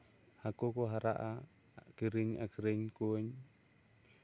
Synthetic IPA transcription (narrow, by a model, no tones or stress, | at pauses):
hakokoɦaɾaʔa | kiɾiɲakiɾiɲkoɲ